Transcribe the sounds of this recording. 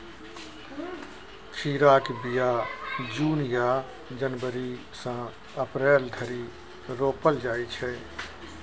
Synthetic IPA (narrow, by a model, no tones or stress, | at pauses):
kʰiːɾaːkbɪjaːd͡ʒuːnɪjaː | d͡ʒənʋəɾi | sã | əpɾɛːld̪ʰʱəɾi | ɾoːpəld͡ʒaːit͡ʃʰɛː